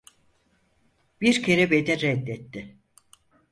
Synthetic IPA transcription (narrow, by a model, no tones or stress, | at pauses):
b̥iɾcʰe̞ɾɛbed̪ɛɾɛd̪ːɛt̪ːɪ